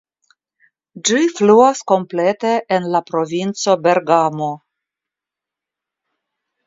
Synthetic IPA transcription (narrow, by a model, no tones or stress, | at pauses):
d͡ʒifluasko̞mplet̪e̞ʔːnlapɾo̞vint͡so̞be̞ɾɡamo